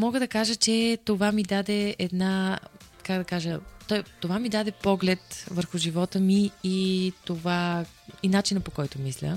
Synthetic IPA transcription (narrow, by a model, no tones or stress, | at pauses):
mɔɡəd̪ɐkaʒət͡ʃɛt̪ovamid̪ad̪ɛɛd̪na | kaɡd̪ɐkaʒət̪ɔjt̪ovamid̪ad̪ɛpɔɡlɛt̪vəɾxʊʒivɔt̪əmiː | t̪ova | inat͡ʃinəpokɔjt̪omislʲə̰